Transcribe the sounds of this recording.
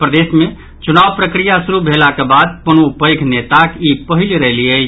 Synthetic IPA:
pɾəd̪esme | t͡ʃunaʋpɾəkɾijasuɾubʱelakebad̪̚pəñupəjkʰnet̪akipəɦilɾəɦliə

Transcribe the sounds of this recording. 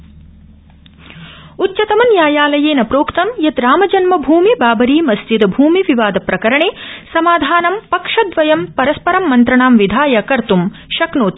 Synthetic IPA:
utːt͡ʃɐt̪ɐmɐnjaːjaːlɐjeːnɐpɾoːkt̪ɐmjɐt̪ɾaːmɐd͡ʒɐnmɐbʱuːmibaːbɐɾiːmɐsd͡ʒ̪id̪ɐbʱuːmiʋiʋaːd̪ɐpɾɐkɐɾɐɳeːsɐmaːd̪ʱaːnɐmpɐkʂɐd̪ʋɐjɐmpɐɾɐspɐɾɐmːɐnt̪ɾɐɳaːmʋid̪ʱaːjɐkɐɾt̪umʃɐknoːt̪

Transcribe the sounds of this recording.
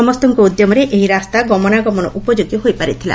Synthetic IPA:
ɔmɔst̪ɔŋkoud̪jɔmɔɾeʔeɦiɾast̪aɡɔmɔnaɡɔmɔnɔ̰ʔupɔd͡ʒoɡiɦojpaɾit̪ʰila̰

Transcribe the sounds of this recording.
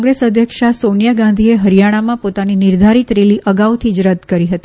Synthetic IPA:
ŋɡɾesəd̪ʱjəkʂasonjaɡãnd̪ʱieɦəɾijaɽ̃amãpot̪aninɪɾd̪ʱaɾit̪ɾeliʔəɡaʋt̪ʰid͡ʒɾəd̪ʱkəɾiɦət̪i

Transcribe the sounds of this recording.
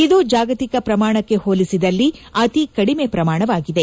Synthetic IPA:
id̪uːd͡ʒaːɡɐt̪ikɐpɾɐmaːɳɐkːe̞hoːlisid̪ɐlːiɐt̪ikɐɽime̞pɾɐmaːɳɐʋaːɡid̪e̞

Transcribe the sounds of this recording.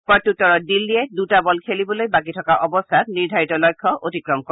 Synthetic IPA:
pɔtːutɔɹɔt̚dilːiɛdutabɔlkʰelibɔlojbak̬itʰɔkaʔɔbɔstʰatniɹdʱaɹitɔlɔjkʰːɔʔotikɹɔmkɔ

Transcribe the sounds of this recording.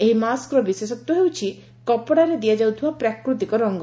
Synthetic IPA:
eɦimaskɾɔbisesɔk̚t̪ːɔɦewt͡ʃʰi | kɔpɔɽaɾed̪iad͡ʒawt̪ʰibapɾakɾut̪ikɔɾɔŋɡɔ

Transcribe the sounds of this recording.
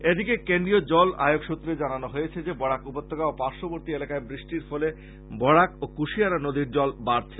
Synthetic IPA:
ed̪ikekend̪ɾijod͡ʑɔla̰joɡʃut̪ːɾed͡ʑananoɦojet͡ɕʰed͡ʑebɔɽakupot̪ːoɡaopaɾʃoboɾt̪ielakaebɾiʃʈiɾfɔle | bɔɽakokuʃiaɾanod̪iɾd͡ʑɔlbaɾt͡ɕʰe

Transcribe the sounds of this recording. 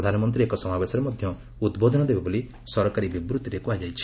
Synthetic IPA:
ɾɔd̪ʱanɔmɔnt̪̬ɾiekɔsɔmabesɔɾemɔd̪ʱjɔ | ud̪bod̪ʱɔnɔd̪ebaboli | sɔɾɔkaɾibibɾut̪iɾekuajd͡ʒajt͡ʃʰi̥

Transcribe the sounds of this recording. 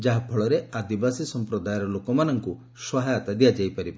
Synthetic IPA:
d͡ʒaɦapʰɔɭɔɾead̪ibasisɔmpɾɔd̪ajɔɾɔlokɔmanɔŋku | sɔɦajat̪ad̪ijad͡ʒajpaɾibɔ

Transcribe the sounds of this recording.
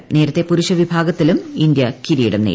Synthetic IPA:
ne̞ːɾɐt̪ːepuɾuɕɐʋibʱaːɡɐt̪ːilumind̪jɐkiɾiːɽɐmnḛ

